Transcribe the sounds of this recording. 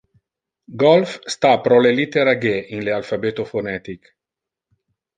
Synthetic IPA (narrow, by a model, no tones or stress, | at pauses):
ɡɔlfst̪apɾɔlelit̪eɾaɡeʔinlealfabet̪ofonɛt̪ik